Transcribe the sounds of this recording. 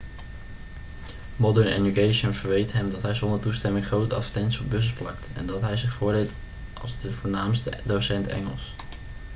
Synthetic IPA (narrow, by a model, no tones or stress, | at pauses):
mɔdəɹnḛdukejʃənv̥əɹʋejtɦɛmdɑtɦɛjzɔndəɹtustɛmɪŋχrowtəɑtɛntsiɔb̚bɵs̬əsplɑktɛ̰ndɑtɦɛjzɪχfʊːɹdɪt | ʔɑ̰lˠzdəvʊːɹnaːmstədowsɛntɛ̰ŋə̰lˠs